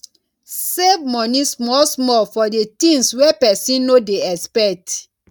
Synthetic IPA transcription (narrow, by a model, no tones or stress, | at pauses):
sevmɔ̃nĩsmɔlsmɔlfɔdetĩŋswepɛsĩnnodeɛspɛk̚t